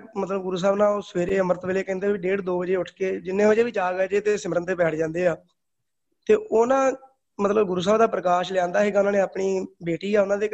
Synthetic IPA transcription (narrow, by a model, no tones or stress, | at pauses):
mət̪ləbɡʊɾuːs̬aːbnãːoːsʋeːɾeːəməɾət̪ʋeːleːkɛ̃ːnd̪eːʋiːɖeːɽd̪oːʋəd͡ʒeːʊʈʰkeːd͡ʒɪnːẽːʋəd͡ʒeːʋiːd͡ʒaːɡɛd͡ʒeːt̪eːsɪməɾənt̪eːbɛːʈʰd͡ʒãːnd̪eːaː | t̪eːʔoːnãː | mət̪ləbɡʊɾuːs̬aːbd̪aːpɾəkaːʃlãːnd̪aːɦɛeːɡaːʊnãːnẽːaːpɳiːbeːʈiːaːʊnãːd̪eː